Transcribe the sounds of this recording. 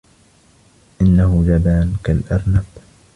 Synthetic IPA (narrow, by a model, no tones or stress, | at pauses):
ʔɪnːahʊd͡ʒabaːnkalʔɑɾˤnab